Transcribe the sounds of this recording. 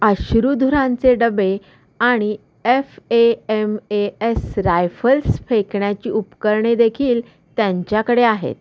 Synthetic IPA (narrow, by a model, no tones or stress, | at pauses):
əɕɾud̪ʱuɾãnt͡seɖəbe | aɽ̃i | efeemeesɾajfəlsfekɳjat͡ɕiːupkəɾɳed̪ekʰiːl | t̪jaɲt͡ɕjakəɽeaɦḛt̪